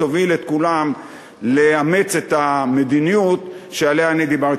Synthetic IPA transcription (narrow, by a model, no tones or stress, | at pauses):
ovilet̪̚kulam | leamet͡se̞t̪ame̞d̪inijut̪ʃealeaːnid̪ibaʁ